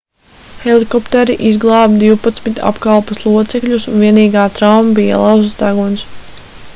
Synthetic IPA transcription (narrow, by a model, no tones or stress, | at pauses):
helˠikɔpt̪ɛɾiʔizɡlˠɑːb̚d̪iwpat̪smit̪ʲa̰pkalˠpuslˠuɔt̪sɛkʎʲusunviɛniːɡaːt̪ɾawmabija̰lˠɑwzsd̪aɡuns